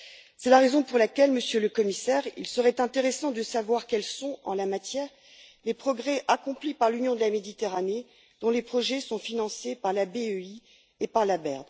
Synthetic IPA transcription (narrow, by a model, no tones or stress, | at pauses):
sɛlaʁezɔ̃puʁlakʲɛlməsjøləkɔmisɛʁḭlsəʁɛt̪ɛ̃t̪eʁesɑ̃d̪əsavwaʁkɛlsɔ̃ɑ̃lamat̪jɛːʁ | lepχɔɡʁɛʔakɔ̃plipaʁlynjɔ̃d̪əlamed̪it̪eʁane | d̪ɔ̃lepχɔʒɛsɔ̃finɑ̃sepaʁlabeøi | epaʁlabɛʁd̪